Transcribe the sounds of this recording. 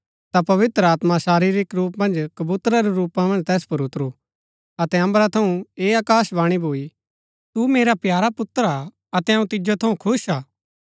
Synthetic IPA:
t̪apɐʋɪt̪ɾəaːt̪masaːɾiɾikɾuːpmɐ̃nd͡ʒkɐbuːt̪ɾaɾeɾuːpãmɐ̃nd͡ʒt̪ɛːspɐɾʊt̪ɾu | ɐt̪ɛɐ̃mbɾat̪ʰɐũeːaːkaːsbaːɽ̃ibʱoːi | t̪umeːɾapjaːɾapʊt̪ɾa | ɐt̪ɛɐũt̪ɪd͡ʒot̪ʰɐũkʰʊʃaː

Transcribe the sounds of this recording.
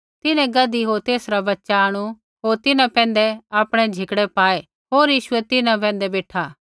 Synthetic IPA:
t̪ɪnɛ̃ɡɐd̪iɦoːɾt̪eːsɾabɐtːʃaəɽ̃u | ɦoːɾt̪ɪnãpɛ̃ːnd̪ɛaːpɽ̃ɛd͡ʒʱɪkɽɛpaːe | ɦoːɾjiːʃʊɛt̪ɪnãp̬ɛ̃ːnd̪ɛbeːʈʰaː

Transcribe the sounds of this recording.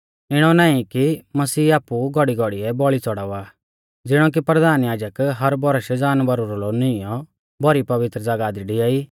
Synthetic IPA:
ɪɽ̃ɔnaːĩkimɐsiːaːpuɡɔɽiɡɔɽiɛbɔɭit͡sɔɽaːaː | d͡zɪɽ̃ɔk̬ipɾɐd̪aːnjaːd͡ʒəkɦɐɾbɔɾəʃɛd͡zaːnbɐɾuɾɔlonɪjɔ | bɔɾipɐʋɪt̪ɾəd͡zaɡaːd̪iɖiaːiː

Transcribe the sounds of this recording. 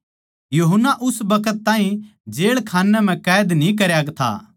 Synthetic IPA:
juɦənːaʔʊsbɐkət̪ːaːɦĩd͡ʒeːɭkʰaːnːɛm̤ɛ̃kɛːd̪nĩk̬ɐɾjaːɡt̪ʰa̰ː

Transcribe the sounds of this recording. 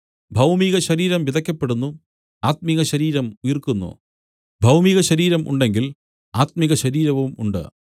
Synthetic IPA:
bʱɐwmiɣɐɕɐɾiːɾɐmʋid̪ʱɐkʲːɐpːe̞ɽunːu | aːt̪̚miɣɐɕɐɾiːɾɐmujirkunːṵ | bʱɐwmiɣɐɕɐɾiːɾɐmʔṵɳɖe̞ŋɡil | aːt̪̚miɣɐɕɐɾiːɾɐʋumuɳɖɨ̰

